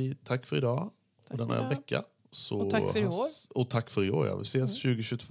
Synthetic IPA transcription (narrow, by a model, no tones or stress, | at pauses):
t̪ʰakːfɔɾɪd̪ɑː | ɔd̪ɛnːæ̰ɾʋɛkːa̰ | sɔ | ɔt̪ʰakːfɔɾɪɡo̰ːɾjɑ̰ːʋɪ̰sɛsɕʉːɡəɕʉːt̪ʰv